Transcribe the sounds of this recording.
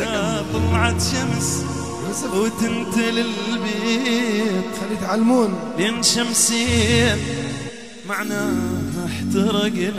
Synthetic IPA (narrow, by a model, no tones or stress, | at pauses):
at̪ˤɑlːʕɑt̪ʃams | wɪt̪ɪnt̪ɪlɪlbeː | t̪xalːit̪ʕalːmuːn | leːnʃamsi | maʕnaħt̪ɑɾˤɑɡ